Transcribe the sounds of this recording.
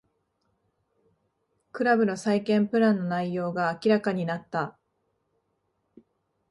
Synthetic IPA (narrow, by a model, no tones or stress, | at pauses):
kɯ̟ɾabɯ̟no̞saikẽ̞mpɯ̟ɾãnːo̞naijo̞ːɡaːkʲiɾakaɲ̟inat̪ːa